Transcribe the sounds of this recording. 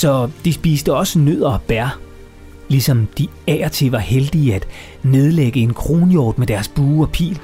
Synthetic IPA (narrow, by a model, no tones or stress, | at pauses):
sɒ̽d̥isb̥ḭːsd̥əɒ̽sənøð̰ˠɐɒb̥æɐ | lisɒ̽md̥i | ɛ̰ːɐt͡sʰe̝ʋɑ̈held̥iæd̥ | ne̝ð̞ˠleɡ̥əe̝nkʰʁo̝ːnjoːd̥̚med̥æɐsb̥uːɒ̽pʰḭːl